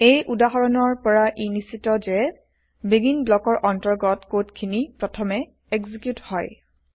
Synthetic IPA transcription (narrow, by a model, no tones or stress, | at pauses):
ejʔudaɦɔɹɔnɔɹpɔɹaʔinisitɔd͡ʒɛ | beɡinblɔkɔɹʔɔntɔɹɡɔtkotkʰinipɹɔtʰɔmɛ | eɡzikjuthɔj